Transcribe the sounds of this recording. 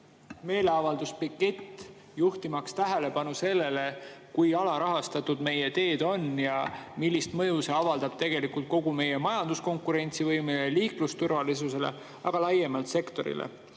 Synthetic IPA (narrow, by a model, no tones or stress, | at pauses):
me̞ːle̞ɑvɑld̪̥uspikːˑe̞t̪ː | juht̪imɑkst̪æɦele̞pɑnuse̞lːe̞le̞kujɑlɑɾɑɦɑst̪ɑt̪ud̪me̞je̞t̪e̞ːd̪̥o̞njɑmilʲːist̪mɤjuseɑvɑld̪̥ɑb̥̚t̪e̞ɡ̥e̞likult̪̚ko̞ɡ̥ume̞je̞mɑjɑnd̪̥usko̞ŋkˑuɾe̞nʲt̪sivɤjmeleliːklust̪urvɑlis̬use̞le̞̰ | ɑɡ̥ɑlɑjːemɑlt̪se̞kt̪o̞ɾḭlḛ